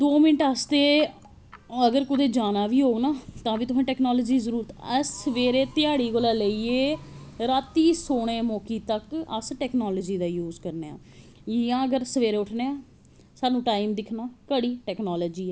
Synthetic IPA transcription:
d̪oːmɪnəʈaːst̪eː | əɡəɾkʊd̪eːd͡ʒaːnaːʋiːɦoːnaːt̪ãːʋiːt̪ʊsẽːʈɛːknɔːləd͡ʒiːzəɾuːɾt̪əsːəʋeːɾeːt̪ɪjaːɽiːɡoːlaːləieːɾaːt̪iːsoːɽ̃eːmoːkiːt̪əkə̰sʈɛːknɔːləd͡ʒiːd̪aːjuːzkəɾneːã̰ː | ãːəɡəɾsəʋeːɾeːʊʈʰneːãː | saːnũːʈaːimd̪ɪkʰnaːkəɽiːʈɛːknaːlɔːd͡ʒiːɛː

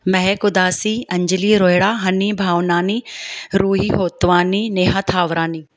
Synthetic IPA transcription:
mɐɦekʊd̪aːsiɐ̃ɲd͡ʒɪliɾoːjɽaːɦɐnibʱaːʋnaːniɾuːɦiɦoːt̪ʋaːnineːɦat̪ʰaːʋɾaːniː

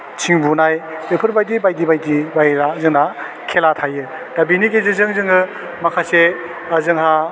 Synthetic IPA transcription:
t͡ʃʰiŋbunajbepʰɯɾbajdibajdibajdibajɾazɯŋna | kʰelatʰajɯ | d̥abiniɡezezɯŋzɯŋɯ | makʰase | azɯŋɦa

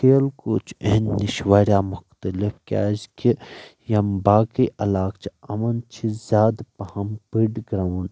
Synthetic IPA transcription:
keːlkoːt͡ʃʰenːɪʃwaɾjaːmʊxt̪əlifkʲa̰ːzkijɐmbaːkiʔɐlaːkt͡ʃʰiɐmɐnt͡ʃʰizʲaːd̪pɐhɐmpiɖɡɾawn

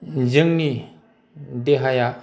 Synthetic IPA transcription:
zɯŋni | deɦaja

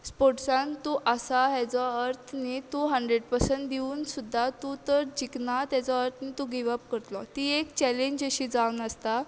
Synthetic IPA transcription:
spoɾʈsãnt̪uʔəsaɦɛt͡sɔəɾt̪ʰnit̪ũɦəɳɖɾeɽpəɾsəɳʈ̚d̪iuːnsud̪ʱːat̪ut̪əɾd͡ʑiknat̪jat͡sɔəɾt̪ʰniːt̪ũɡiʋəp̚kəɾt̪lɔt̪iːekt͡ɕɛleɲd͡ʑəɕiːd͡zaunəst̪a

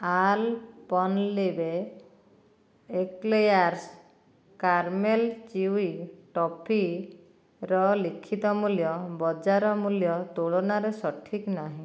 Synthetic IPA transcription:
alpɔnlebe | eklejaɾs | kaɾmelt͡ʃiwiʈɔpʰi | ɾɔlikʰːit̪ɔmuljɔbɔd͡ʒaɾɔmuljɔt̪oɭonaɾesɔʈʰiknaɦĩ

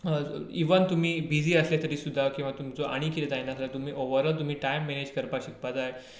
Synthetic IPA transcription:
iʋənt̪um̤iːbid͡ziːəslet̪əɾiːsud̪ʱːakĩw̃ʋat̪umt͡soʔa̰ɽ̃iːkit̪et̪ajnaəslət̪um̤iːʔoʋəɾəlt̪um̤iːʈajmːened͡ʑkəɾpaɕik̚pad͡zae

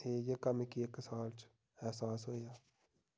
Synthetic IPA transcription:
eːjekəmkieksaːlt͡ʃ | ɛɦsaːsɦoːijaː

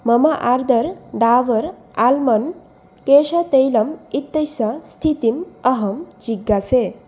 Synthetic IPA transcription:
mɐmaʔaɾd̪əɾd̪aːʋəɾ | almɐn | keʂat̪ejlɐmit̪ːɐjsɐst̪ʰit̪imʌɦɐmd͡ʒiɡːase

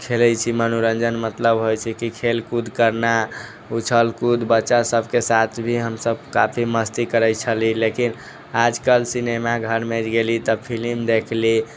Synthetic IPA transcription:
kʰelɛt͡ʃʰimənuɾənd͡ʒənmət̪ləbɦojt͡ʃʰɛkikʰelkud̪ʱkəɾna | ut͡ʃʰəlkud̪bətːʃasəbʱkesat̪ʰbʱiɦəmsəbkapʰiməst̪ikəɾəjt͡ʃʰəlilekin | ad͡ʒkəlsinemaɡʱəɾmed͡ʒɡelit̪əpʰilimd̪ekʰli

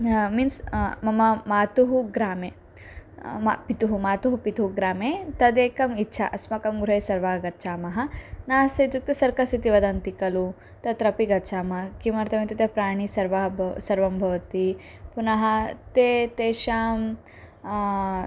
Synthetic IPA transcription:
minsmɐmɐmaːt̪uɦuɡɾaːmeː | mpit̪uɦumaːt̪uɦupit̪uɦuɡɾaːmeːt̪ɐd̪eːkɐmitːʃʰɐ̰ʔɐsmɐkɐmɡɾuɦeːsɐɾʋaːɡɐt̪ːt͡ʃaːmɐɦɐnaːsɐt̪juk̚t̪ɐsɐɾkɐsit̪iʋɐd̪ɐnt̪ikɐlu | t̪ɐt̪ɾɐpiɡɐtːt͡ʃʰaːmɐɦɐkimɐɾt̪ɐmit̪ɐt̪epɾaːɳ̃isɐɾʋɐɐsɐɾʋɐmbʱɐʋɐt̪i | punɐɦɐt̪eːt̪eːʃaːm

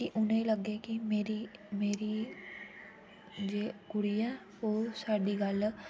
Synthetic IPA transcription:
kiʔʊnẽiləɡeːkɪmeːɾiːmeːɾiː | d͡ʒeːɡʊɽiːɛ̃ː | oːsaːɖiːɡəl

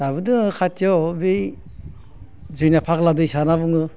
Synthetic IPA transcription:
d̥abɯdɯŋɯkʰatʰjɔbi | zɯjnapʰakladɯjsanabɯŋɯ

